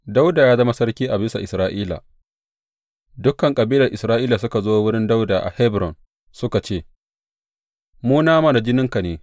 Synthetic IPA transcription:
da˦wdaː˨jaː˦zɐ˦ma˦sɐ˦rkʲiː˦ʔa˨bɪ˦sa˨ʔɪ˨sɾaː˦ʔiː˦la̰˨ | dʊ˦kːɐ˨ŋkʼɐ˨biː˦lɐ˨rʔɪ˨sɾaː˦ʔiː˦la˨sʊ˦ka˨zoː˦wʊ˦ɽɪ˦nda˦wda̰ː˨ʔa̰˨hɛ˦bɾɔ˨n | sʊ˦ka˨t͡ʃeː˦˨ | muː˦naː˦ma˦˨da˨d͡ʒɪ˦nɪ˦ŋka˨neː˨

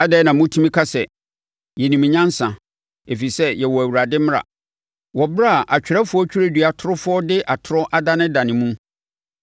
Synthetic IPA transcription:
a˦dɛ˦nã˨mʊ̃˦tʰũ˦mĩ˦kʰa˦sɛ˨ | jɛ˨nĩ˨mɪ̃˨ɲã˦n˦sã˨ | e˨fi˨sɛ˦jɛ˨wɔ˨æ˨wu˨ɾa˨dɪ˦m̃˦ɾa̰˨ | wɔ˨bɪ˦ɾa˦˨ʔa˨t͡ɕᶣɪ˨ɾa˦fʊ˦ɔ˦t͡ɕʰᶣu˦ɾe˦dɥa˨tʰʊ˦ɾʊ˦fʊ˦ɔ˦dɪ˦ʔa˨tʰʊ˦ɾɔ˦ʔa˦da˦nɪ̃˦dã˨nɪ̃˨mũ˦

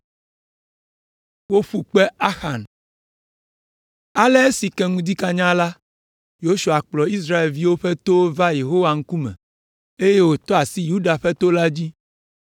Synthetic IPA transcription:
wo˦ɸu˨k͡pɛ˦a˦xa˨n | a˦lɛ˦e˦si˨kɛ˦ŋũ˦d̪i˦ka˦ɲã˦la˦ | jo˦ʃu˨a˨k͡plɔ˨i˦s̬ɾa˦e˨lvi˦wo˦ɸɛ˦t̪o˦va˦je˨ɦo˦wa˨ŋ̩˦ku˦mɛ̰̃˨ | e˦je˦wo˦t̪ɔ˦a˨si˦ju˦ɖa˨ɸɛ˦t̪o˦la˦d͡ʑi˦

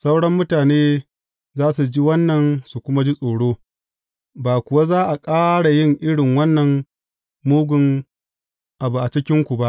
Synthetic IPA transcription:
sa˦wɽɐ˦mːʊ˦taː˨neː˦ | zaː˦su˨d͡ʒi˦wɐ˦nːɐ˨nsu˨kʷʊ˦ma˦d͡ʒi˦sʼoː˨ɽoː˦ | baː˨kʷʊ˨wa˦zaː˦ʔa˨kʼaː˦ɽa˨jɪ˦ŋʔɪ˦ɽɪ˨ŋwɐ˦nːɐ˨m | muː˦ɡʷʊ˨ŋ | ʔa˨bu˨ʔa˨t͡ʃɪ˦kʲɪ˦ŋkʷu˨ba˦ʔ

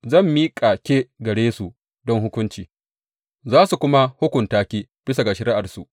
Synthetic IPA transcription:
zɐ˦˨mːiː˦kʼaː˨kʲeː˦ɡɐ˨ɽeː˦su˨ | dɔ˦ŋhʊ˦kʷʊ˦nt͡ʃiː˨ | zaː˦su˨kʷʊ˦ma˦hʊ˦kʷʊ˨ntaː˦kʲiː˦b̥ɪ˦s̬a˨ɡa˨ʃɐ˦ɾɪ˦ʔa˨rsu˨ʔ

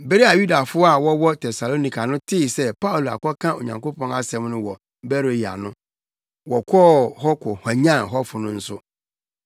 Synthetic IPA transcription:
be˦ɾi˦a˨ju˦da˨fʊ˦ɔ˦a˨wɔ˦wɔ˦tʰɛ˨sa˨lo˦ni˨kʰa˨nʊ̃˦tʰɪ˦˨sɛ˦pa˦u˨lu˨a̰˨kɔ˦kʰã˦o̰˨ɲã˨ŋko˦pʰɔ̃˦na˦sɛ̃˦mnʊ̃˦wɔ˨ | bɛ˦ɾo˨ji˨a̰˨nʊ̃˦ | wɔ˨kʷʰɔː˦˨hɔ˦kʰɔ˨ha˨ɲã˦˨nɦɔ˦fʊ˨nʊ̃˦n̩˦sʊ˦

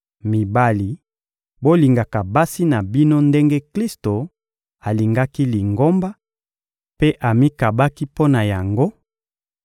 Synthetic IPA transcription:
mi˨ba˦li˨ | bo˦li˨ŋɡa˨ka˨ba˦si˦na˨bi˦no˦nde˦ŋɡe˦kli˦sto˨ | a˨li˨ŋɡa˦ki˦li˨ŋɡo˦mba˦ | pe˦ʔa˨mi˦ka˨ba˦ki˦po˦na˨ja˨ŋɡo˦

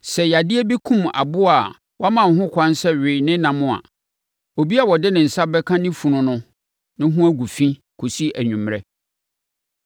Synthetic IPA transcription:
sɛ˨ja˨dɪ˦ɛ˦bi˦kʰũ˦ma̰˨bʊ˦a˨ | wɔ˦a˦mã˨ɦʊ̃˦kʷʰã˦n˦sɛ˦ɥɪ˨nɪ̃˦nã˨mʊ̃˦a̰˨ | o˨bi˦a˨wɔ˨dɪ˦nɪ̃˨n̩˨sa˦bɛ˦kʰã˦nɪ̃˦fũ˨nʊ̃˨nʊ̃˦ | nɪ̃˦ɦʊ̃˦æ˦ɡu˨fĩ˦ | kʰo˨si˦ʔæ˨ɲᶣũ˨mɾɛ˦

